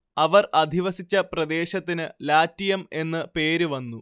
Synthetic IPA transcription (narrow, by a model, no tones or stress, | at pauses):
ɐʋɐrɐd̪ʱiʋɐsit͡ɕːɐprɐd̪e̞ːɕɐt̪ːinɨlaːtːijɐme̞nːɨpe̞ːɾuʋɐnːu